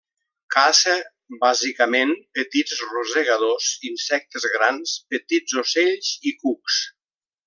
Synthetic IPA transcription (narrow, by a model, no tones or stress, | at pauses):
kasə | bazikəmenpət̪izrozeɣaðozinsɛk̚t̪əzɣɾanspət̪id͡zoseʎzikuks